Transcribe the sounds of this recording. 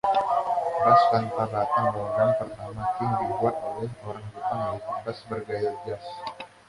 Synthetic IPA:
ɾaslant̪arlat̪aŋloɡanpərt̪amakɪŋdibuat̪̚olɛɦoɾaŋkut̪amalipadasbərɡaɪrd͡ʒas

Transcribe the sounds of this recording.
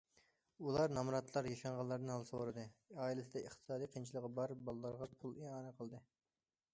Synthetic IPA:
ulˠɑɾnɑmɾɑt̪lˠɑɾjɑʃɑɴʁɑlˠːɑɾd̪ɨnhɑlˠsoɾɨd̪ɨɑːilɨsɪd̪ɛəχt̪ʰɨ̥sɑːd̪iqʰint͡ʃʰilˠəʁɑbɑɾbɑlˠɨlˠːɑɾʁɑpʰulˠeɑːnɨqʰəlˠd̪ɨ

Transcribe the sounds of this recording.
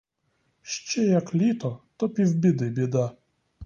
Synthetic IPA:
ʃt͡ɕɛjaklʲit̪ɔt̪ɔpʲivbʲid̪ɨbʲɪd̪a

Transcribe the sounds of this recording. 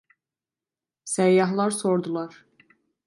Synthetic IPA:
sæjːɑɦlˠɑɾsoɾd̪ulˠɑɾ̥

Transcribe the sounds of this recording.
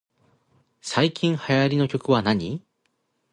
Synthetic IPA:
saikʲĩɰ̃hajaɾʲino̞kʲo̞kɯ̟βanaɲ̟i

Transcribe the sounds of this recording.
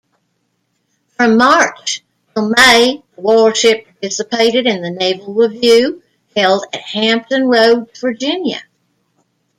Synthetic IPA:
fɹʌ̃mɑɹt͡ʃ | tʰlˠmeɪðəwɔɹʃɪppɑ˞t̚ɪsəpʰeɪɾɨɾɨ̃nðɨneɪvl̩ˠɹɪvjʉ | hɛlˠdɨt̚hæ̃mp̚tɨ̃nɹoʊd̚və˞d͡ʒɪ̃njɨ̰

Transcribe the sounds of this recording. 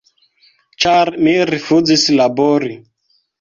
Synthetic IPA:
t͡ʃaɾmiɾifud͡zislabɔɾi

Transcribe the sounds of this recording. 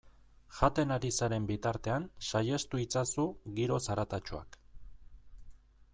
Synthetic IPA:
ʝat̪e̞naɾisaɾe̞mbit̪aɾt̪e̞ansaje̞st̪uit͡sasuɣiɾo̞saɾat̪at͡ʃoa̰k

